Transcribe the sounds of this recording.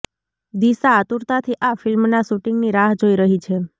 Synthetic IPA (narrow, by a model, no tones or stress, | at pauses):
d̪isaːt̪uɾt̪at̪ʰiʔafɪlmnasuʈiŋɡniɾaɦd͡ʒoiɾəɦit͡ʃʰe